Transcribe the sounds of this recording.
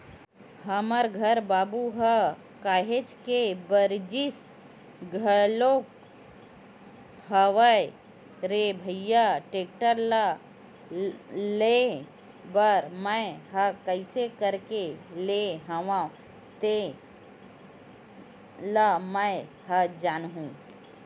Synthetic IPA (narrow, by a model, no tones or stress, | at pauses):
ɦɐməɾɡʱəɾbaːbuɦɐ | kaːɦet͡ʃkebəɾd͡ʒis | ɡʱəloːk̚ | ɦəʋaj | ɾebʱəjaʈeːk̚ʈəɾla | le | bəɾməɦɐkəɪsekəɾkeleɦɐʋã | t̪e | laməj | hɐd͡ʒaːnɦũː